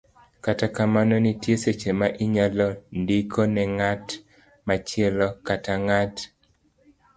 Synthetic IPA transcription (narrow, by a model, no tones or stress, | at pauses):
katakamanonitjeset͡ʃemaʔiɲalɔndikʰonɛŋat | mat͡ʃɪɛlɔkataŋat